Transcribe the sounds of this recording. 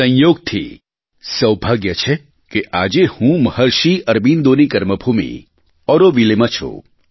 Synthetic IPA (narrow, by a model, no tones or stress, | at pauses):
ə̃jjoːɡ̚t̪ʰḭ | səwbʱaɡjət͡ʃʰe | keʔad͡ʒehũməhəɾʃiʔəɾbind̪onikəɾməbʱumḭ | ɔɾoʋilemat͡ʃʰo̰